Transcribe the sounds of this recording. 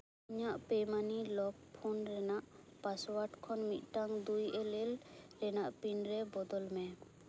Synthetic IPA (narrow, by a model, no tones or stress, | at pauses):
iɲaʔpɛmanilɔb̚pʰːunɾɛnaʔ | paswaʈkʰɔnmit̪̚ˀʈaŋd̪ujɛlɛlɾɛnaʔpinɾɛbɔd̪ɔlmɛ